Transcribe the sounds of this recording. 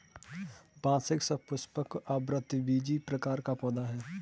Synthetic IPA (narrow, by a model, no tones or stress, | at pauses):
bãːsɪksəpʊspəkabɾət̪ʋiːd͡ʒipɾɐkaːɾkapɔːd̪aɦɛː